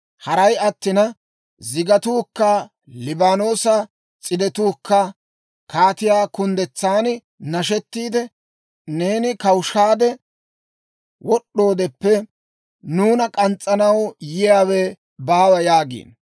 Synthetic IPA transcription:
hɐɾɐjɐt̪ːɪnɐ | zɪɡɐt̪uːkːɐ | lɪbaːno̞ːsɐ | t͡sʼɪd̪ɛt̪uːkːɐ | kaːt̪ɪjaːkʊnd̪ɛt͡sːaːn | nɐʃɛt̪ːiːd̪ɛ | ne̞ːnɪkɐwʊʃaːd̪ɛ | wɔɗːo̞ːd̪ɛpːɛ | nuːnɐkʼɐnt͡sʼːɐnɐwjɪjaːwɛ | baːwɐjaːɡḭːn

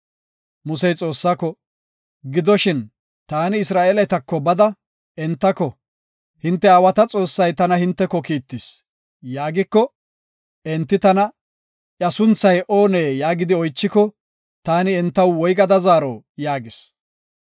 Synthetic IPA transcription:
mʊsɛjt͡sʼo̞ːsːakɔ | ɡɪd̪ɔʃɪn | t̪aːnɪːsɾaːʔelɐt̪ɐkːɔbɐd̪ɐ | ɛnt̪ːɐkɔ | hɪnt̪ːɛaːwɐt̪ɐt͡sʼo̞ːsːɐjt̪ɐnɐhɪnt̪ːɛkːɔkiːt̪ːɪs | jaːɡɪkːɔ | ɛnt̪ːɪt̪ɐnɐ | jɐsʊnt͡sːɐjʔoːneːjaːɡɪd̪ɪɔjt͡ʃːɪkɔ | t̪aːnɪɛnt̪ːɐwwɔjɡɐd̪ɐzaːɾɔ̰ː | jaːɡɪs

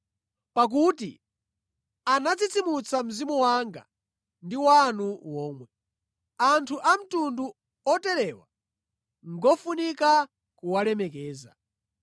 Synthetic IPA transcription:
pak̬utḭ | anat͡sit͡simut͡sam̩zimuwaŋɡa̰ | ndiwanuwɔːmwɛ | antʰuʔam̩tundu | ɔtɛɾɛwa | ŋɡɔfunika | kuwalɛmɛkɛːza̰

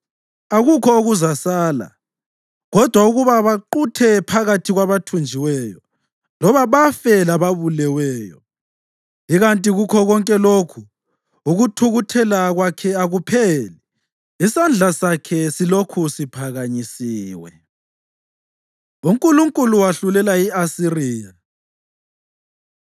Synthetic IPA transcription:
aɣukʰɔoɣuzasaːla̰ | ɣɔd̥ʱwauɣuβaβaǃutʰɛpʰaɣatʰiɣwaβatʰund͡ʒʱiwɛːjɔ | lɔβaβafɛlaβaβulɛwɛːjɔ̰ | iɣantʼiɣukʰɔɣɔŋkʼɛlokʰu | uɣutʰuɣutʰɛlaɣwakʰɛaɣupʰɛlɛ | isand͡ɮʱasakʰɛsilokʰusipʰaɣaɲisiːwɛ̰ | uŋkʼuluŋkʼuluwaɬulɛlaiasiriːja

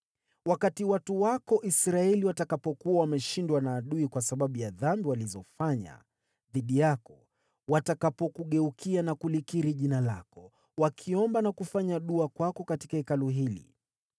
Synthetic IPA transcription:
wakatiwatuwakɔʔisɾaɛliwatakapɔkuawamɛʃindwanaːɗuikwasaɓaɓujaðambiwalizɔfaɲa̰ | ðiɗijakɔ | watakapɔkuɠɛukʰianakulikiɾiʄinalakɔ | wakʰiɔmbanakufaɲaɗuakwakɔkati̥kaɛkaluɦilḭ

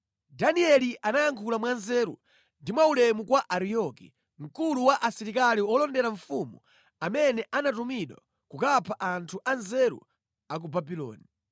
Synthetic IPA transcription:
daniɛliʔanajaŋkʰulamwanzɛːɾṵ | ndimwaulɛmukwaʔaɾijɔkḭ | ŋ̩kuluwaʔasiɾikaliɔlɔndɛɾaɱfumu | amɛnɛʔanatumiɗwa̰ | kukapʰaʔantʰuʔanzɛɾṵ | ak̬ubabilɔ̰ːni

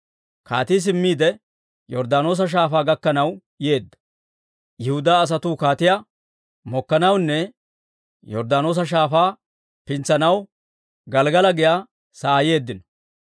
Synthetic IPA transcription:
kaːt̪iːs̬ɪmːiːd̪ɛ | jɔɾd̪aːno̞ːs̬ɐʃ̬aːfaːɡɐkːɐnɐw | je̞ːd̪ːɐ̥ | jɪhʊd̪aːs̬ɐt̪uːkaːt̪ɪjɐ | mɔkːɐnɐwnːɛ | jɔɾd̪aːno̞ːs̬ɐʃ̬aːfaː | pɪnt͡sɐnɐw | ɡɐlɡɐlɐɡɪjaː | saːje̞ːd̪ːɪnɔ̥

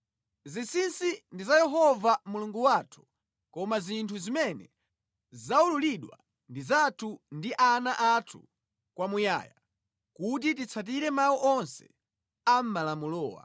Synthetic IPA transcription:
zisinsindizajɛɦɔvamuluŋɡuwatʰu̥ | kɔmazintʰuzimɛnɛ̰ | zaululiɗwa̰ | ndizatʰundiʔanaʔatʰu | kwamuja̰ːja | kut̬itit͡sʰat̬iɾɛmawuʔɔnsɛ̥̰ | am̩malamulɔːwa̰

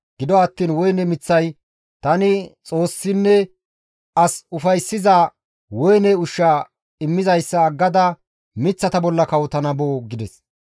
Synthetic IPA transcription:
ɡ̥ɪd̪ɔɐt̪ːiːnwɔjnɛmɪt͡sːɐj | t̪ɐnɪt͡sʼo̞ːsːɪnːɛ | ɐsʊfɐjsːɪza | wɔjnɛʊʃːa | ɪmːɪzɐjsːɐːɡːɐd̪ɐ | mɪt͡sːɐt̪ɐbɔlːɐkɐwt̪ɐnɐboːɡɪd̪ɛs

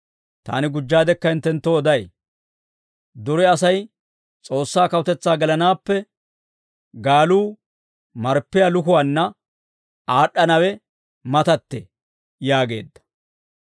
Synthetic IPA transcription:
t̪a̰ːnɪɡʊd͡ʒːaːd̪ɛkːɐɪnt̪ːɛnt̪ːoɔd̪ɐj | d̪ɔɾɛɐsɐj | t͡sʼo̞ːsːaːkɐwʊt̪ɛt͡sːaːɡɛlɐnaːpːɛ | ɡaːluː | mɐɾpːɪjalʊkʊwanːɐ | aːɗːɐnɐwɛ | mɐt̪ɐt̪ːɛ̰ | jaːɡe̞ːd̪ːɐ̥

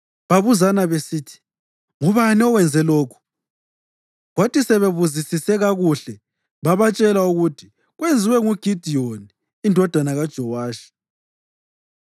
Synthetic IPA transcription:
βaβuzanaβesiːtʰi̥ | ŋuβaniɔwɛnd͡zʱɛloːkʰu̥ | ɣwatʰisɛβeβuzisisɛɣaɣuɬɛ | βaβat͡ʃʼɛlauɣutʰi̥ | ɣwend͡zʱiwɛŋuɡ̥ʱid̥ʱioni | indʱɔd̥ʱanaɣad̥ʒ̥ʱɔwaːʃi̥

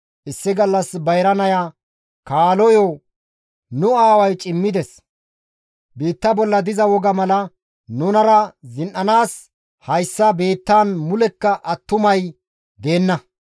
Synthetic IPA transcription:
ʔɪsːɪɡɐlːɐsbɐjɾɐnɐjaː | kaːlɔjoː | nʊaːwɐjt͡ʃʼɪmːɪd̪ɛs | biːt̪ːɐbɔlːɐd̪ɪzɐwɔɡɐmɐlɐ | nʊnɐɾɐzɪnʔɐnaːs | hɐjsːɐbe̞ːt̪ːaːnmʊlɛkːɐʔɐt̪ːʊmɐj | d̪e̞ːnːɐ

